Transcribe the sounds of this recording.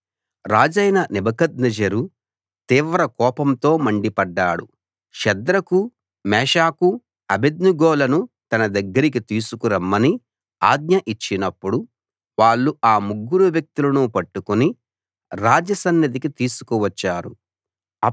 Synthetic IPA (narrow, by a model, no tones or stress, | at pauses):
ɾaːd͡ʒɐjnɐnibɐkɐd̪̚nɐd͡ʒɐɾu | t̪iːʋɾɐkɔːpɐmt̪o̞ːmɐɳɖipɐɖːaːɽu | ʃɛd̪ɾɐku | mɛːʃaːku | ɐbed̪nuɡɔːlɐnut̪ɐnɐd̪ɐɡːɐɾik̬it̪iːsukuɾɐmːɐni | a̰ːɡ̚ɲɐʔit͡ʃːinɐpːuɽu | ʋaːɭːuaːmuɡːuɾuʋjɐk̚t̪ulɐnupɐʈːukuni | ɾaːd͡ʒɐsɐnːɐd̪ikit̪iːsu̥kuʋɐt͡ʃːaːɾṵ